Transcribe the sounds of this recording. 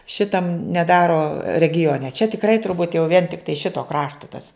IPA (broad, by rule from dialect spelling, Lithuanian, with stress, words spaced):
ˈʃʲɪtɐm nʲɛˈdɑːroː rʲɛɡʲɪˈoːnʲɛ t͡ʃʲɛ tʲɪkˈrɐɪ tʊrˈbuːt jɛʊ ʋʲiɛn tʲɪkˈtɐɪ ˈʃʲɪtoː ˈkrɑːʃtoː tɐs